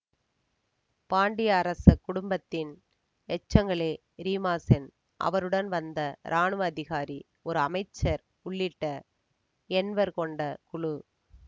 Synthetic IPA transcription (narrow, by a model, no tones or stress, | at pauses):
paːɳɖɪjɐːɾɐsɐkʊɽʊmbɐt̪ːɪn | ɛt͡ʃːɐŋɡɐɭeː | ɾiːmaːsɪn | ʔɐ̰ʋɐɾɯɽɐnʋɐnd̪ɐɾʔaːɳɯɐðɪɣaːɾi | ɔɾɯɐmɐɪt͡ʃːɐɾ | ʊɭːɪʈːɐ | ɛnʋɐɾkɔɳɖɐkʊɭu